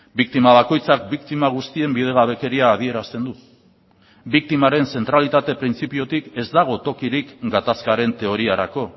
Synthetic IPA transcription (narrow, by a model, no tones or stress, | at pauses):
bikt̪imaβ̞ako̞jt͡sak̚bikt̪imaɣ̞ust̪ie̞mbiðe̞ɣaβ̞e̞ke̞ɾiaːð̞ie̞ɾast̪e̞nd̪u | bik̚t̪imaɾe̞nse̞nt̪ɾalit̪at̪e̞pɾint͡sipio̞t̪ike̞zd̪aɣ̞o̞t̪o̞kiɾikɡat̪askaɾe̞nt̪e̞o̞ɾiaɾa̰ko̞